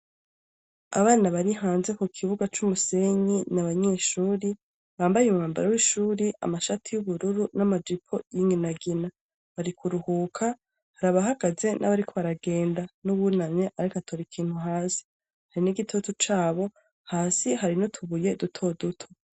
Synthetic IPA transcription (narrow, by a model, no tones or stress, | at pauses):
a̰βaːnaβaɾiɦaːnze̞kukʰiβuɡat͡ʃumuse̞ɲinaβaɲeʃuːɾi | βaːmbajeumumaːmba̰ɾawiʃuːɾiʔa̰maʃatʰijuβuɾuɾunamad͡ʒipʰo̞jiːŋɡinaɡina | βaɾikʰuɾuhuːkʰa | haɾaβaɦaɡ̥aze̞nʔa̰βaɾikʰo̞βaɾaɡe̞ːndanuβunameʔaɾikatʰoɾikʰiːn̥huɦaːsi̥ | haɾiniɡitʰo̞tut͡ʃaːβo̞ | haːsihaɾinotʰuβuje̞dutʰo̞dutʰo̥